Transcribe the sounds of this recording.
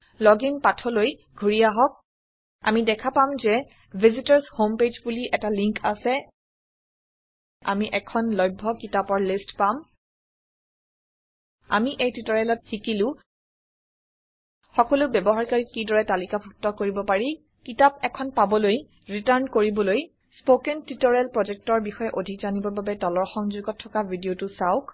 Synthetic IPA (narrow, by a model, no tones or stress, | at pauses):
lɔɡinpatʰɔloj | ɡʱuɹiaɦɔk̚ | a̰midɛkʰapamzɛ | bʱizitaɹshomped͡ʒbuliʔɛtaliŋka̰sɛ | a̰miʔɛkʰɔnlɔjbʱːɔkitapɔɹlistpam | a̰miʔejtɹitɔɹɛlɔt̚xikilʊ̃ | xɔkɔlʊbjɛbɔɦaɹkaɹikidɔɹɛtalikabʱuk̚tɔkoɹibɔpaɹi | kitapɛkʰɔnpabɔloj | ɹitaɹnkoɹibɔloj | spokɛntitɔɹɛlpɹɔzɛk̚tɔɹbixɔjɛʔodʱikzanibɔbabɛtɔlɔɹxɔŋzuɡɔtʰːɔkabʱidiotʊsaʊk